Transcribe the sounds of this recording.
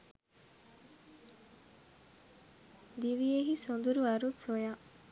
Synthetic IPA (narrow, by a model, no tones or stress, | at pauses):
d̪iʋijeɦisond̪uɾuɐɾut̪soja